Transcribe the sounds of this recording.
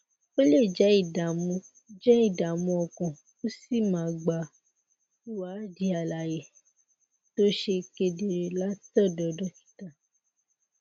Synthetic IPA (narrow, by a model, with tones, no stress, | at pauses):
o˦le˦˨d͡ʒɛ˨˦i˦˨da˨mũ˧ | d͡ʒɛ˦i˦˨da˨mũ˧ɔ˨kɔ̃˨ | o˦si˦˨mã˨ɡ͡ba˨ | u˦wa˨˦di˨˦a˨la˨je˨ | to˦ʃe˧ke˧de˨ɾe˨la˦tɔ˦˨dɔ˨dɔ˦ki̥˦ta˨